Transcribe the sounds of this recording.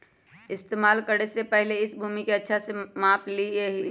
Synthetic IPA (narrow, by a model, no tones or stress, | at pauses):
ɪst̪eːmaːlkəɾesepəɦɪleɪsbʱuːmikeətːʃʰasemãːplieɦ